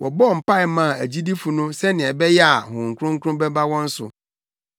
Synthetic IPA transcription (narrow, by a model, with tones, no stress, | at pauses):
wʔɔ̰˨bɔ˦˨m̩˨pa˦ɪ˨mã˨æ˨d͡ʑi˦di˦fu˨nʊ̃˦sɛ˦nɪ̃˨ɛ˨bɛ˦jɛ˦a˨hʊ̃˨ŋ̩˨kʰʊ˦ɾʊ̃˦ŋ̩˦kʰʊ˦ɾʊ̃˦bɛ˦ba˦wɔ̃˦n̩˦sʊ̰˨